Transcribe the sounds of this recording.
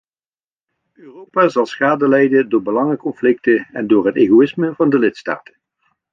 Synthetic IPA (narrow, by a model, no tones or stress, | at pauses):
øːrowpaːzɑlˠsχaːdəlɛjdəndʊːɹbəlɑŋəkɔnflɪk̚təɛ̰ndʊːɹɦəteːɣoɪsməvɑndəlɪtsta̰ːtə̥n